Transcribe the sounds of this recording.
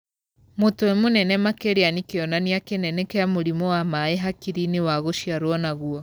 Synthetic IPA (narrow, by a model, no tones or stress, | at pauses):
motoemonɛnɛmakeɾeanikeɔnaniakenɛnekeamoɾimɔwamaeɦakiɾinewaɣoʃjaɾwɔnaɣuɔ